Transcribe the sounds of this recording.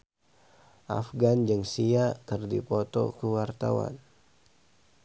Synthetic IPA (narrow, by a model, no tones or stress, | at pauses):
ʔa̰fɡand͡ʒɨŋsiakɨrdipɔt̪ɔ̰kuwart̪a̰wa̰n